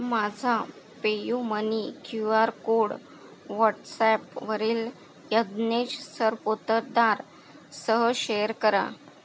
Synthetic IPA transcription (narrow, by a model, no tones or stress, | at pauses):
mad͡zʱa | pejumənikjuaɾkoɽ | ʋɔʈsɛpʋəɾiːl | jəd̪neɕsəɾpot̪əɾd̪aɾ | səɦəɕejəɾkəɾã̰